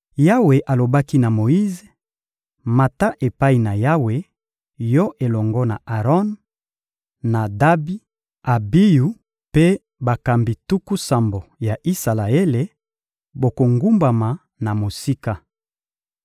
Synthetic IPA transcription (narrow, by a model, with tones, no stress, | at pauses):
ja˦we˨ʔa˨lo˨ba˦ki˦na˨mo˨i˦ze˨ | ma˨ta˦ʔe˨pa˦i˨na˨ja˦we˨ | jɔ˦ʔe˨lɔ˨ŋɡɔ˦na˨ʔa˨ʁɔ˦n | a˨da˦bi˦ | a˨bi˦ju˨ | pe˦ | ba˨ka˨mbi˨tu˦ku˦sa˨mbo˨ja˨ʔi˦sa˨la˨e˦le˨ | bo˨ko˨ŋɡu˦mba˨ma˨ | na˨mo˨si˦ka˦